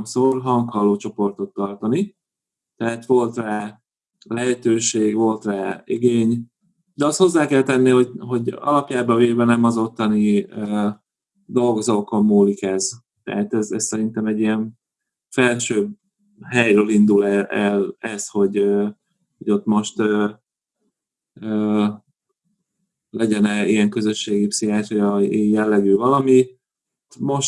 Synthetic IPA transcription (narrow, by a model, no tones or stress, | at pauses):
msoːrɦɒŋkhɒlːoːt͡ʃo̞po̞rt̪o̞t̪ːɒrt̪ɒni | t̪ɛɦat̪ʋo̞lt̪raː | lɛɦɛt̪øːʃeːɡvo̞lt̪raːiɡeːɲ | d̪ɛɒst̪ho̞zːaːkɛlt̪ɛnːiho̞ɟɦo̞ɟɒ̰lɒpjaːbɒveːvɛnɛmɒzo̞t̪ːɒniø | d̪o̞lɡo̞zokomːuːlikɛz | t̪ɛ̰ɦat̪ɛzɛssɛɾint̪ɛmɛɟːijɛɱ | fɛlʃøːb | ɦɛjrøːlind̪ulɛɛlɛsho̞ɟøː | hoɟo̞t̪ːmo̞ʃt̪øː | øː | lɛɟɛnɛiɛŋkø̞zøʃːeːɡipsijaːʃjɒejɛlːɛɡyːvɒlɒmi | t̪mo̞ʃ